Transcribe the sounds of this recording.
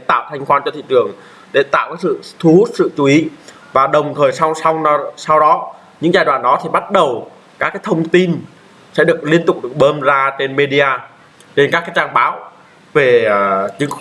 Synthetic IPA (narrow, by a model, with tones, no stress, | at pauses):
e˧˩t̪a̰ː˧˨wt̪ʰa˧jŋ̟kwaː˧nt͡ɕɔ˧t̪ʰḭ˧˨t͡ɕɨ˨˩əŋ | ɗe˧˩t̪a̰ː˧˨wkaː˨˦˥sɨ̰˧˨t̪ʰu˨˦hu˦˥t̚sɨ̰˧˨t͡ɕu˨˦ʔi˨˦ | vaː˨˩ɗə˨˩wŋ͡mt̪ʰəː˨˩jsa˧wsa˧wsa˧wɗɔ˨˦ | ɲɨ̰˧˥ŋzaː˧˩jɗwa̰ː˧˨˩nɗɔ˨˦t̪ʰi˨˩ɓa˦˥t̚ɗə˨˩w | kaː˦˥kːaː˨˦jt̪ʰə˧wŋ͡mt̪i˧n | sɛ̰˧˥ɗɨ˨˩ək̚li˧ənt̪ʊ˨˩k͡p̚ɗɨ˨˩ə˩k̚ɓəː˧mzaː˧t͡ɕe˧nme˧ɗi˧aː˧ | t͡ɕe˧nka˦˥kːaː˨˦jt͡ɕaː˧ŋɓaː˨˦w | ve˨˩t͡ɕɨ˨˦ŋ